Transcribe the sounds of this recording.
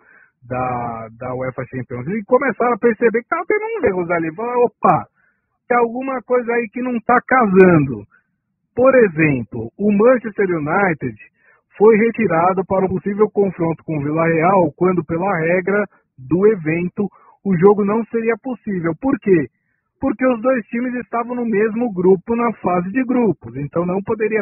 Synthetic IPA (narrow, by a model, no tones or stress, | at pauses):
d̪ɐd̪ɐwɛfɐʃɐ̃mpiõzikomesaɾɐpeɾsebekɪ̥t̪avɐt̪ẽnũehozalifalaopɐ | t̪ẽawɡũmɐkojzɐaikɪnɐ̃w̃t̪akazɐ̃nd̪ʊ | poɾezẽmplʊʊmɐ̃ʃest̪eɾunajt̪ed͡ʒ | fojɦet͡ʃiɾad̪ʊpaɾɐʊposivewkõfɾõnt̪ʊ̥kõvilɐheawkwɐ̃nd̪ʊpelɐɦɛɡɾɐ | d̪ʊevẽnt̪ʊ | ʊʒoɡʊnɐ̃w̃seɾiɐposivewpoɾke | pʊɾkeʊzd̪ojst͡ʃĩmɪzɪst̪avɐ̃w̃nʊmezmʊɡɾupʊnɐfazɪd͡ʒɪɡɾupʊzẽnt̪ɐ̃w̃ñw̃pod̪eɾiɐ